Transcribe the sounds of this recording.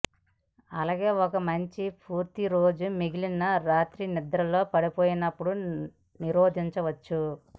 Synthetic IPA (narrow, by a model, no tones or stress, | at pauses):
ɐlaːɡe̞ːɔkɐmɐɲt͡ʃipuːɾt̪iɾo̞ːd͡ʒumiɡilinːɐɾaːt̪ɾinid̪ɾɐlːo̞ːpɐɽipo̞ːjinɐpːuɽu | niɾo̞ːd̪ʱiɲt͡ʃɐʋɐt͡ʃːu